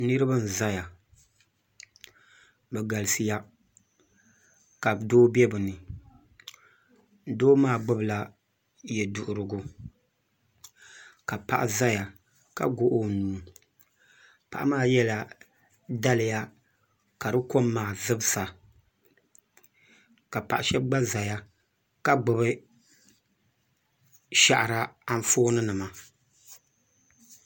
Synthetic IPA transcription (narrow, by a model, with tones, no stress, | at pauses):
nɨ˦ɾɨ˦bɨ˦n̩˨za˦ja˨ | bɛ˨ɡa˨lɨ˨sɨ˨ja˦ | ka˨bdoː˦bɛ˦bɨ˨nɨ˨ | doː˦maː˦˨ɡ͡bʊ˦bla˦ | jɛ˨dʊ˨ʔʊ˨ɾɨ˨ɡʊ˦ | ka˨pa̰˨ʔa˦za˦ja˨ | ka̰˨ɡo˦ʔo˦nuː˨ | pa̰˨ʔa̰˦maː˦jɛ˦la˨ | da˦lɪ˨ja˦ | ka˨dɨ˦ko˦mːaː˨zɨ˦bɨ˦sa˨ | ka˨pa˨ʔa˨ʃɛ˦b̚ɡ͡ba˦za˨ja˦ | ka˨ɡ͡bʊ˨bɨ˦ | ʃa˨ʔɾa˦a˦ɱ˦foː˦nɨ˦nɨ˨ma˨